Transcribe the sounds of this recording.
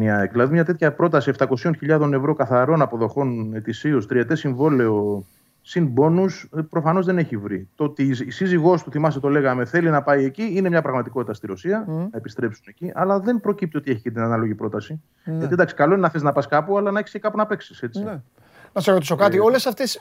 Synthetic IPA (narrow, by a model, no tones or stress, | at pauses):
niɐekðilɐðimɲɐt̪e̞t̪çɐpɾo̞t̪ɐsie̞ft̪ɐko̞sio̞nçiʎɐðo̞ne̞vɾo̞kɐθɐɾo̞nɐpo̞ðo̞xo̞ne̞t̪isiost̪ɾiet̪e̞siɱvo̞le̞o̞ | sinbo̞nuspɾo̞fɐno̞zðe̞ne̞çivɾḭt̪o̞t̪isiziɣo̞st̪uθimɐst̪et̪o̞le̞ɣɐme̞θe̞linɐpɐie̞ciine̞mɲɐpɾɐɣmɐt̪iko̞t̪it̪ɐst̪iɾo̞siɐnɐepist̪ɾe̞psune̞ciʔɐlɐðe̞npɾo̞cip̚t̪io̞t̪ieçi̥cid̪inɐnɐloʝipɾo̞t̪ɐsi | jʝɐt̪iend̪ɐksi̥kɐlo̞inenɐθeznɐpɐskɐpuɐlɐnɐeçi̥scekɐpunɐpe̞ksi̥se̞t͡si | nɐseɾot̪isokɐt̪io̞lesɐft̪es